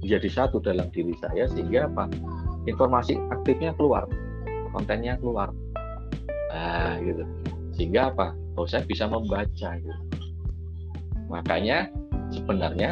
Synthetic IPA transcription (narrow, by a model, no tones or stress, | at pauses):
d͡ʒadisat̪udalamdiɾisa̰jasəɦiŋɡaːpa | infɔrmasiak̚t̪ɪfɲakəlua̰r | kɔ̰nt̪ɛnɲakəluar | aɡit̪u | səɦiŋɡaːpa | bawasajabisaməmbat͡ʃaɡit̪u | makaɲasəbənarɲa